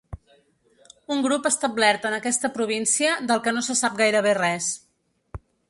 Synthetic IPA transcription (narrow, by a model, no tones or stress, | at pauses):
uŋɡɾupəst̪ablɛɾt̪ənəkɛst̪əpɾuβ̞insiəd̪əlˠkənosəsap̚ɡajɾəβ̞erɛs